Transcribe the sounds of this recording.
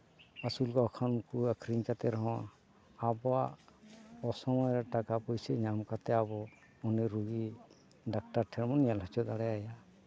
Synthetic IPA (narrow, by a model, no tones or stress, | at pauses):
asulkɔɔkʰankuakʰɾiɲkat̪ɛɾɔɦɔ̃aː | bɔaʔɔsɔmɔjɾɛʈakapɔjsɛɲamkat̪ɛabɔ | ɔnɛɾuɡi | ɖak̚ʈaɾʈʰɛɾmɔnjalɦɔt͡ʃɔd̪aɽɛaja